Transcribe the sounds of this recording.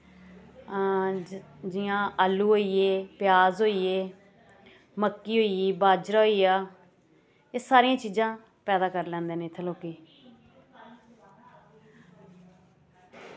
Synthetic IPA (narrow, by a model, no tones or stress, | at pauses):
d͡ʒɪjãːʔaːlːuːɦoːiːeːpɪjaːzɦoːiːeː | məkːiːɦoːiiːbaːd͡ʒɾaːɦoːiːaː | eːsaːɾɪãːt͡ʃiːzãː | pɛːd̪aːkəɾlɛ̃ːnd̪eːneːt̪ʰəloːkeː